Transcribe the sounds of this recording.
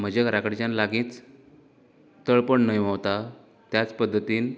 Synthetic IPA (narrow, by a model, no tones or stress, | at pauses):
m̤əd͡ʑekɾakəɽt͡ɕanlaɡĩːt͡s | t̪əɭpəɳnəjʋəʋt̪a | t̪jat͡spəd̪ʱːət̪iːn